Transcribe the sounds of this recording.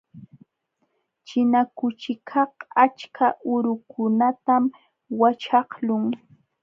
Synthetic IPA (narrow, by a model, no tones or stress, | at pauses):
t͡ʃɪnakʊt͡ʃɪkʰɑhat͡ʃkʰaʔʊɾʊkʰʊnat̪am | wat͡ʃɑhlʊŋ